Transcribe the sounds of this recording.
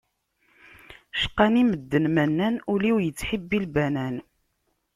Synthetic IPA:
ʃə̥qːɑniməd̪ːənmænːænuliwjət͡sːħəbːilbænæn

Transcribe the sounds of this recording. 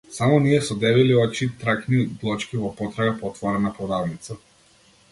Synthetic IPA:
samɔniɛsɔd̪ɛviliɔt͡ʃit̪ɾaknid̪lˠɔt͡ʃkʲivɔpɔt̪ɾaɡapɔt̪vaɾɛnapɔd̪avnit̪sa

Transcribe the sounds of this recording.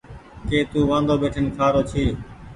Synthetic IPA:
keːt̪uːʋãːnd̪oːbeːʈʰənkʰaːɾoːt͡ʃʰiː

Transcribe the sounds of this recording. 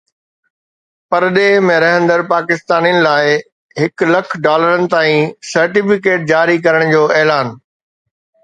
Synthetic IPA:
pɐɾɗeːɦmẽɾɐɦə̃nd̪əɾpaːkɪst̪aːnijənɪ̆laːɪ | ɦɪklɐkʰɖaːləɾənɪ̆t̪aːĩsɐɾʈɪfɪkeːʈ̚d͡ʑaːɾikɐɾəɽ̃d͡ʑoːɛːlaːn

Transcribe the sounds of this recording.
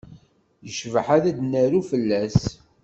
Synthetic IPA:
jəʃvəħaðæd̪næɾufəlːæs

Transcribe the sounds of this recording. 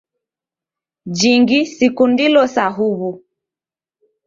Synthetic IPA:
d͡ʒiŋɡisikundilɔsaɦuβu

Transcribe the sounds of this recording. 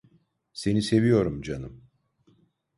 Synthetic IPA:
se̞nise̞vijo̞ɾumd͡ʒanɯm

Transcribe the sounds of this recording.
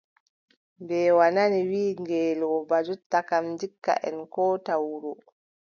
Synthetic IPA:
bɛːwananiwiːŋɡɛːlɔbad͡ʒutːakamdikːa̰ʔɛ̰nkɔːtawuɾu

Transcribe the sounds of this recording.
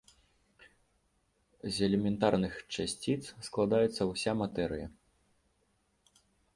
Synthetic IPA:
zʲɛlʲɛmʲɛnt̪arnɨxt͡ʂasʲt͡sʲit̪ssklˠad̪ajɛt̪sːɐwsʲamat̪ɛɾɨ̰jɐ

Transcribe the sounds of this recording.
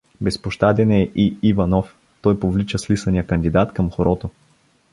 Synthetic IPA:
bɛspoʃt̪ad̪ɛnɛʔiivɐnɔf | t̪ɔjpovlit͡ʃəslisɐnijəkɐnd̪id̪at̪kɐmxoɾɔt̪o

